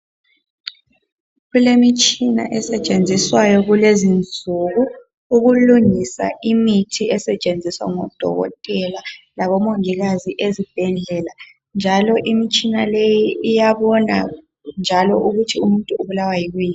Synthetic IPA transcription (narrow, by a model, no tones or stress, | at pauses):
ɣulemit͡ʃʼina̰ʔɛsɛt͡ʃʼend͡zʱiswajɔɣulezind͡zʱuɣu | uɣuluŋisa̰ʔimitʰiɛsɛt͡ʃʼend͡zʱiswa̰ŋɔd̥ʱɔ̰ɣɔ̰tʼɛla | laβɔmoŋiɣaziʔezib̥ʱɛɮɛla | nd͡ʒʱalɔʔimit͡ʃʼinalejiːjaβɔna̰ | nd͡ʒʱalɔʔuɣutʰiumuntʼuːβulawajiɣuji